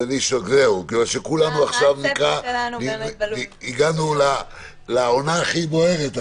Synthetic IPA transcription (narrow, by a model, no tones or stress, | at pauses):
eliʃoɡzeukimalʃekulanuaχʃavnikʁaliiiɡanula | laonaːχibo̞e̞ʁet̪